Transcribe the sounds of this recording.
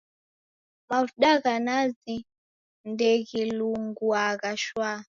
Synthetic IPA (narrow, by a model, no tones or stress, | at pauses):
mavuɗaɣanazi | ndɛɣiluŋɡuaɣaʃwa